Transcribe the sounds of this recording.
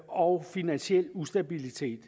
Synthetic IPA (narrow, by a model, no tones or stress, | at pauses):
ɒʊfinænɕiel̰usd̥æb̥ilit͡sʰe̝̰ːd̥